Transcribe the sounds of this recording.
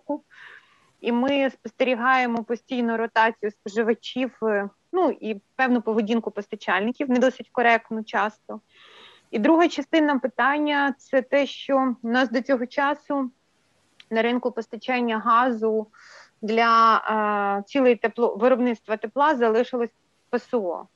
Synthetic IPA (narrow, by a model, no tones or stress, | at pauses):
kʊ | imɪspɔst̪eɾʲiɦɑjemɔpɔsʲtʲijnʊɾɔt̪ɑt͡sʲijʊspɔʒɪʋɐt͡ʃʲiw | nuipɛwnʊpɔʋɪdʲinkʊpɔst̪ɐt͡ʃɑlʲnɪkʲiwnɛd̪ɔsɪtʲkɔɾɛk̚t̪nʊt͡ʃɑst̪ɔ | id̪ɾuɦɐt͡ʃɐst̪ɪnɐpɪt̪ɑnʲːɐt̪sɛt̪ɛʃt͡ʃɔnɑsd̪ɔt͡sʲɔɦɔt͡ʃɑsʊ | nɐɾɪnkʊpɔst̪ɐt͡ʃɛnʲːɐɦɑzʊ | d̪lʲɐ | t͡sʲilˠejt̪eplˠɔʋeɾɔbnɪt̪st̪ʋɐt̪eplˠɑzɐlˠɪʃɪlˠɔsʲ | pɐsɔɔ̰